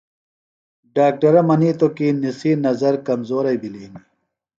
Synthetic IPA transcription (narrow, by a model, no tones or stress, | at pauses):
ɖaːk̚ʈɐɾɐmɐniːt̪okinisinɐzɐɾkɐmzoːɾɐjbiliːni